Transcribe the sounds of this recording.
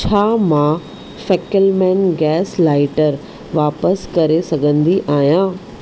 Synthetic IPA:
t͡ɕʰaːmã | fɛːkəlmɛ̃ːnɡɛːslaːɪʈəɾ | ʋaːpəskɐɾesɐɡʱə̃nd̪iʔaːɦijãː

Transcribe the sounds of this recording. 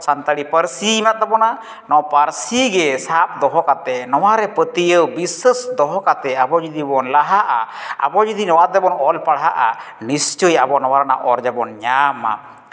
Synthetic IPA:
sant̪aɽipəɾsiːmat̪̚t̪ɔbɔna | nɔpəɾsiɡɛsap̚d̪ɔɦɔkat̪ɛnɔwaɾɛpət̪ijəwbisəsd̪ɔɦɔkat̪ɛabɔd͡ʒid̪ibɔnlaɦaʔa̰a̰bɔd͡ʒid̪inɔwat̪̚ɛbɔnɔlpaɽɦaʔa̰ | nist͡ʃəjabɔnɔwaɾana̰ʔɔɾd͡ʒɛbɔnɲama̰

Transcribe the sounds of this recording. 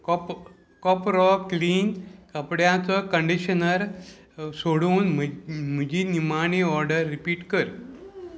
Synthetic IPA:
kɔp | kɔpɾɔkliːnkəpɽjãt͡səkəɳɖiɕənəɾ | soɽuːnməm̤əd͡ʑiːnimaniɔɾɖəɾːipiːʈkəɾ

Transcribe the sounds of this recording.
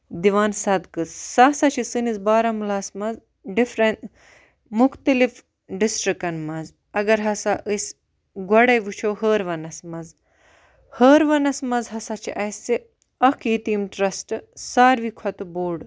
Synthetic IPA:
d̪iʋaːnsɐd̪kɨssasɐt͡ʃʰisɨnizbaːɾɐmulasmɐz | ɖifɾɐnt̪ | mukt̪ɐlif | ɖisʈɾikɐnmɐz | ɐɡɐɾɦɐsaʔɨs | ɡɐɽɐjʋɨt͡ʃʰoːɦəːɾʋɐnɐsmɐz | həːɾʋɐnɐsmɐzɦɐsat͡ʃʰḭʔɐsi | ɐkʰiːt̪iːmʈɾɐsʈɨsaːɾʋikʰɐt̪ɨboːɖ

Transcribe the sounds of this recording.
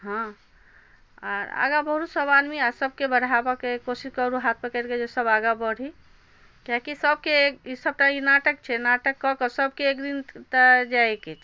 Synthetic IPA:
ɦã | aɾa̰ɡabəɦɾusəbad̪miasəb̚kebəɽ̤abɔkekosiskəɾuɦat̪ʰmekəɾked͡ʒesəbaɡabəɽ̤ʱi | kakisəb̚keisəb̚ʈainaʈəkt͡ʃʰɛnaʈəkːɔkɔsəbkeːkd̪int̪ad͡ʒaeket͡ʃʰ

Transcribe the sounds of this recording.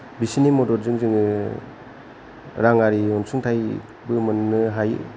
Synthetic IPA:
bisinimodɔɾzɯŋzɯŋɯ | ɾaŋaɾiɔnsuŋtʰaj | bɯmɯnːɯɦaj̰

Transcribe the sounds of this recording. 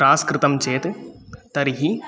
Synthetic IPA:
aːskɾɨt̪ɐmt͡ʃeːt̪ɨt̪ɐɾiɦi

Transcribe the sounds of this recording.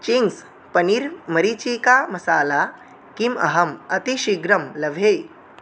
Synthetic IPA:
t͡ɕiŋɡs | pəniɾməɾit͡ɕikamɐsaːla | kimɐ̰ɦɐmɐt̪iɕiɡɾəmləʋʱe

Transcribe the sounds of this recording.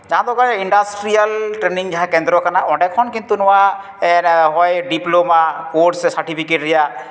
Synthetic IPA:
d͡ʒaɦãd̪ɔɡajiɳɖasʈɾialʈɾeniŋd͡ʒaɦãkɛnd̪ɾɔkanaʔɔ̃ɖɛkʰɔnkint̪unɔwa | ɦɔjɖiplomakoɾʈsɛsaɾʈipʰikeʈɾɛja

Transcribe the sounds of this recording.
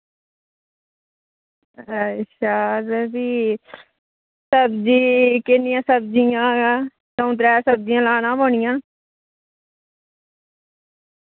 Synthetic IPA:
əʃaːɾbiː | səbd͡ʒiːkɪnːɪjãːsəbd͡ʒɪjãː | sə̃ːt̪ɾɛːsəb̚d͡ʒɪjãːlaːnãːboːɳɪjãː

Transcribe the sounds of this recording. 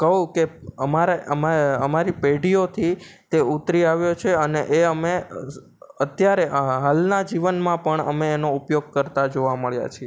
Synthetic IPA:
kəɦũkeəmaɾeʔəmaəmaɾipeɖijot̪ʰit̪eut̪ɾiaʋjot͡ʃʰeəneʔeəme | ət̪jaɾeɦalnad͡ʒiʋənmãpəɳə̰meːnoupjoɡ̚kəɾt̪ad͡ʒoʋaməɭja̰t͡ʃʰie

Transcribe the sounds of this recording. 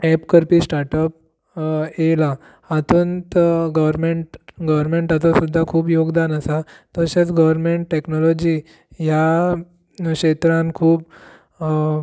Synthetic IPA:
ɛpkəɾpiːsʈaɾʈəp̚ | ela | at̪uːnt̪ɡəʋɾmeɳʈɡəʋəɾmeɳʈat̪̬asud̪ʱːakʰuːbjoɡd̪anasat̪əɕat͡sɡəʋəɾmeɳʈʈːeknɔlɔd͡ʑiː | ja | kɕet̪ɾãnkʰuːb

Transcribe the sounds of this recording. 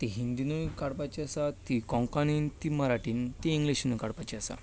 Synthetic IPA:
t̪iɦind̪inujkaɽpat͡ɕiasat̪ikɔ̃ŋkanint̪iməɾaʈiːnt̪iĩŋɡliɕnujkaɽpat͡ɕiasa̰

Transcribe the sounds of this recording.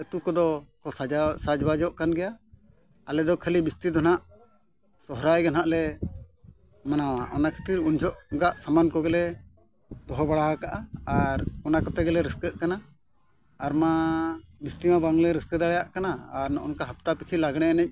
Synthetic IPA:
ət̪ukɔd̪ɔkɔsad͡ʒsad͡ʒbad͡ʒɔʔkanɡɛjaː | lɛd̪ɔkʰəlibist̪id̪ɔnaʔ | sɔɦɾajɡɛnaʔlɛ | manawaʔɔnakʰi̥t̪iɾund͡ʒɔʔɡaʔsamankɔɡɛlɛ | d̪ɔɦɔbaɽaɦakaʔaaɾɔnakɔt̪ɛɡɛlɛɾɛskəʔ̪̚kanaː | ɾmabist̪imabaŋlɛɾəskəd̪aɽɛjaʔkanaːɾnɔʔɔ̰nkaɦap̚t̪apit͡ʃʰilaɡɽ̃ɛanɛc̚

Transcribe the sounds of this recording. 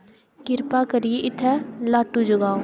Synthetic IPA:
kɪɾpaːkəɾijeʔɪt̪ʰːɛlaːʈːuːd͡ʒʊɡaːo

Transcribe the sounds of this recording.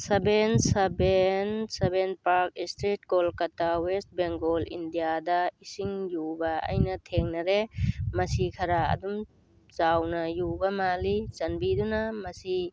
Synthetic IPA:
sɐbensɐbensebenpaɾk̚istɾit̚ɡolkɐtawest̚beŋɡolḭndijadɐisiŋjubɐɐ̰jnɐtʰeŋnɐɾemɐsikʰɐɾaɐ̰dum | zawnɐjubɐmalit͡ʃɐnbidunɐmɐsi

